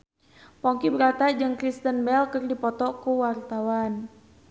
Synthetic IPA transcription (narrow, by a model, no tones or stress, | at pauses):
pɔŋkibəɾat̪ad͡ʒɨŋkɾist̪ənbɛlkɨrdipɔt̪ɔkuwart̪awan